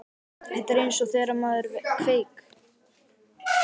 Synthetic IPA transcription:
hɛht̪aɾejnsɔθɛːɾamaːðʏɾvkʰveːjk

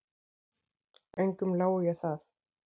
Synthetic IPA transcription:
ɛjŋkʏmlaːwʏjɛɣθaθ

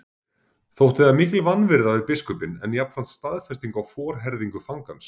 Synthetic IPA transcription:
θowht̪ɪðamiːcɪlvanːvɪɾðavɪðpɪskʏpɪnɛ̰njapnfɾan̥t̪st̪aðfɛst̪iŋkawfɔːɾɦɛɾðiŋkʏfaŋkans

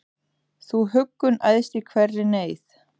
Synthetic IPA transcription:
θuɦʏkːʏnajðst̪ɪkʰvɛrːɪneːjθ

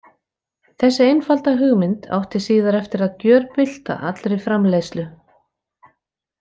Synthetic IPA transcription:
θɛsːɪejnfalt̪aɦʏɣmɪnt̪ʰa̰wht̪ɪsiːðaɾɛft̪ɪɾaðcœːɾpɪl̥t̪a̰ʔa̰t̪lɾɪjfɾamlejslʏ

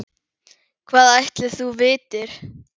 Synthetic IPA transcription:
kʰvaːðajht̪lɪθuvɪːt̪ɪɾ̥

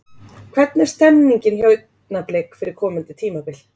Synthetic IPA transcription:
kʰv̥ɛt̪nɛ̥st̪ɛnːiɲcɪnçœːɥt̪ | napleːkfɪɾɪɾ̥kʰɔːmʏnt̪ɪt̪ʰiːmapɪl

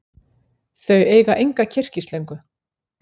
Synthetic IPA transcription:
θœɥeːjɣaʔejŋkacʰɪr̥cisleɥŋkʏ

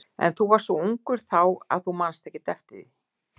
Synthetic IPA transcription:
ɛ̰nθuvaɾ̥sɔuŋkʏɾ̥θawa̰ðθumanst̪ɛhcːɪt̪ɛft̪ɪðɪ

